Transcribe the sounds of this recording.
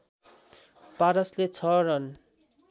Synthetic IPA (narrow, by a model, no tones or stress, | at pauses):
paɾʌslet͡sʰʌɾʌn